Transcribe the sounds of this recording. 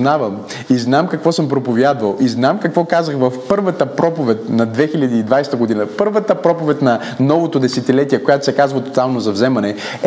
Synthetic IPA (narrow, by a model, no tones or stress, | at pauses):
navəm | iznamkɐkvɔsəmpɾopovjad̪vəlˠʔiznamkɐkvɔkazəxvɐfpɤɾvət̪əpɾɔpovɛt̪ʲnɐd̪vɛxiʎʲɐd̪iːd̪vajst̪əɡod̪inəpɤɾvət̪əpɾɔpovɛt̪ʲnɐ | nɔvot̪od̪ɛsɛt̪ilɛt̪iɛkojat̪o̥sɛkazvət̪o̥t̪alˠnozɐvzɛmɐnɛ